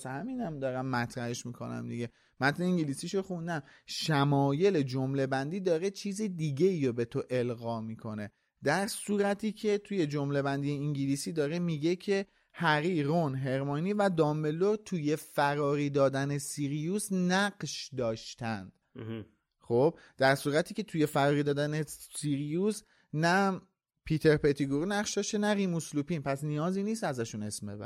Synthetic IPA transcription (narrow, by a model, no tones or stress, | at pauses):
shæmiːnæmd̪ɒːɾæmːæt̪ʰɾæheʃmiːkʰo̞̰næ̰md̪ḭɟe̞ | mæt̪ʰneiːŋɟiliːsiʃoxund̪æmʃæmɒːje̞le̞d͡ʒomle̞bænd̪iːd̪ɒːɾe̞t͡ʃʰiːzid̪iːɟeiːɾobe̞t̪ʰoʔe̞lɣɒːmiːkʰo̞ne̞ | d̪̥æɾsuːɾæt̪ʰiːcʰe̞t̪ʰuje̞d͡ʒo̞mle̞bænd̪ijeiŋɟilisiːd̪ɒːɾemiːɟe̞cʰe̞ | hæɾiːɾonɦe̞ɾmɑːniːvæd̪ɒːmbeloɾt̪ʰuje̞fæɾɒːɾiːd̪ɒːd̪æne̞siɾijusnæɢʃd̪ɒːʃt̪ʰænd̪̥ | χo̞b̥̚ | d̪̥æɾsuːɾæt̪ʰiːcʰe̞t̪ʰuje̞fæɾɒːɾiːd̪ɒːd̪ænesiɾijus | næ | pʰiːt̪ʰeɾpet̪ʰiɡuɾinæqʃd̪ɒːʃt̪enæɾimuslupinpʰæsnijɒːziːniːst̪æzæʃune̞smḛbæ̰ɾ